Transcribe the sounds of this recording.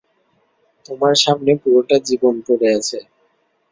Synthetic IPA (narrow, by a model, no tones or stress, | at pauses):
t̪omaɾʃamnepuɾoʈad͡ʑibonkoɾeat͡ɕʰe